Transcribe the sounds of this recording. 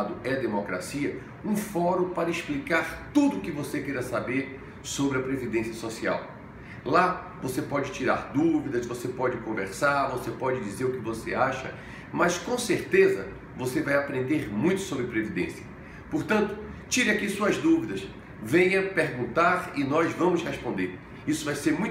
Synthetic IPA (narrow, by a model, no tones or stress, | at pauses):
d̪ʊʔɛd̪emokɾa̰siɐ | ũfɔɾũpaɾɐisplikaɾt̪ud̪ʊːkɪvosekejɾɐsabeɾ | sobɾɪɐpɾevid̪ẽsiɐsosia̰w | la | vosepɔd͡ʒɪt͡ʃiɾaɾd̪uvid̪ɐsvosepɔd͡ʒɪkõveɾsaɾvosepɔd͡ʒɪd͡ʒizeɾʊkɪvoseaʃɐ | mɐskõseɾt̪ezɐ̰ | vosevajapɾẽnd̪eɾmũj̃t̪ʊ̥sobɾɪpɾevid̪ḛ̃siɐ | poɾt̪ɐ̃nt̪ʊ̥t͡ʃiɾɪakisuɐzd̪uvid̪ɐs | vẽjɐpeɾɡũnt̪aɾɪnɔzvɐ̃mʊshespõnd̪eɾ | isʊvajseɾmũj̃